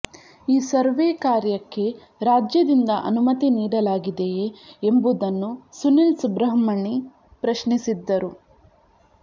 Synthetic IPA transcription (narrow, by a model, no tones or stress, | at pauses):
iːsɐɾʋeːkaːɾjɐkːe̞ | ɾaːd͡ʒjɐd̪ind̪ɐʔɐ̰numɐt̪iniːɽɐlaːɡid̪ejeembud̪ɐnːusunensubɾɐɦɐmɐɳi | pɾɐʃnisid̪ːɐɾu